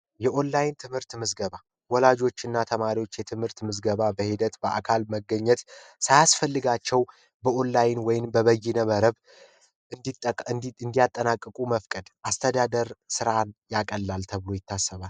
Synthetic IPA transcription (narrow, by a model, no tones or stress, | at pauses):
jɛʔo̞nlajnt̪ʰɨmhɨɾt̪mɨzɡəβa | wɔlad͡ʒo̞t͡ʃːɪnːat̪ʰəmaɾiwot͡ʃːjɛt̪ʰɨmhɨɾt̪mɨzɡəβabəhɪd̪ət̪bəʔa̰kʰalməɡəɲːɛt̪sajasfəlːɨɡat͡ʃːɛw | bəo̞nːajnwɔjɪnbəβəjːɪnəməɾəβ | ɨd̪iɨnd̪ijat̪ʼːənakʼːəkʼuməfkʼəd̪ʔast̪ʰəd̪ad̪əɾsɨɾanjakʼəlːalt̪ʰəβɨlo̞jɪt̪ʰːasːəβal